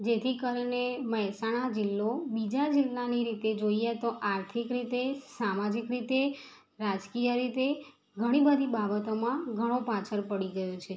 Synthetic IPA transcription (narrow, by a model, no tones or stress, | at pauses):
d͡ʒet̪ʰikəɾɳeməɦsaɽ̃ad͡ʒɪlːobid͡ʒad͡ʒɪlːaniɾit̪ed͡ʒoiat̪oʔaɾt̪ʰikɾit̪esamad͡ʒikɾit̪e | ɾad͡ʒkijəɾit̪e | ɡʱəɽ̃ibəd̪ʱibabət̪omãɡʱəɽ̃opat͡ʃʰəɾpəɽiɡəjot͡ʃʰe